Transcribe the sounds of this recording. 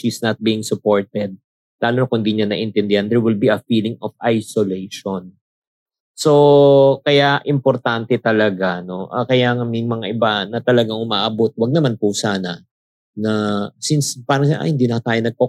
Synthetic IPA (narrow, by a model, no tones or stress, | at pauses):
ʃisnɐt̪̚biːɪŋsʊpo̞ɹt̪ɛd̪̚ | laːlonakʊnd̪iɲɐnɐʔɪnt̪ɛnd̪ɛhɐnd̪ɛɹwɪlbiɐfiːlɪŋɔfʔajsolejʃon | so̞kɐjaʔɪmpɔɾt̪ant̪ɛt̪ɐlɐɡano̞ʔɐkɐjaŋɐmɪŋmɐŋaʔɪbanɐt̪ɐlɐɡaŋʊma̰ːʔɐbot̪̚wɐɡ̚nɐmanpʊsaːnɐ | nɐsinspaːɾɐŋʔa̰hɪnd̪iːnɐkat̪aːjonɐɡ̚ko